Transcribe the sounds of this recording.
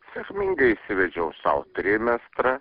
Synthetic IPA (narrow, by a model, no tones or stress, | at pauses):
sʲɛkʲmʲɪŋɡɐɪisʲɪʋʲɛd͡ʒʲɛʊsɐ̰ʊt̪ʲɾʲɪmʲɛst̪ɾɐ